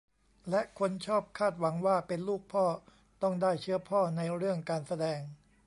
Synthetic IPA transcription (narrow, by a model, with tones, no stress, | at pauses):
lɛ˦˥ʔkʰo˧nt͡ɕʰɔː˥˩p̚kʰaː˥˩t̪̚wa˩˦ŋwaː˥˩pe˧nluː˥˩k̚pʰɔː˥˩ | t̪ɔ˥˩ŋdaː˥˩jt͡ɕʰɯ˦˥ɐpʰɔː˥˩na˧jɾɯ˥˩əŋkaː˧nsa˧dɛː˧ŋ